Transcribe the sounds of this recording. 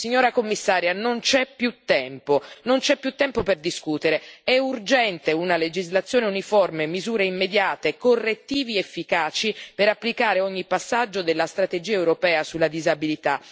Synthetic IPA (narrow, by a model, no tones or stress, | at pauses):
siɲːoːɾakomːisːaːɾjanont͡ʃɛpːjut̪ːɛmponont͡ʃɛpːjut̪ːɛmpoperd̪iskuːt̪eɾeɛurd͡ʒɛnt̪eunaled͡ʒizlat̪sːjoːneunifɔrmemizuːɾeimːed̪jaːt̪ekorːet̪ːiːviefːikaːt͡ʃipeɾapːlikaːɾeɔɲːipːasːad͡ʒːod̪elːast̪ɾat̪ed͡ʒiːaewɾopɛːasulːad̪izabilit̪a